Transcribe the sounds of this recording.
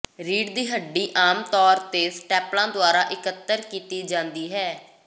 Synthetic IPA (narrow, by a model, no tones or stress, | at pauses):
ɾiːɖd̪iːɦəɖːiːʔaːmt̪ɔːɾt̪eːsʈɛːplãːd̪ʊaːɾaːʔɪkət̪ːəɾkiːt̪iːd͡ʒãːnd̪iːɦɛː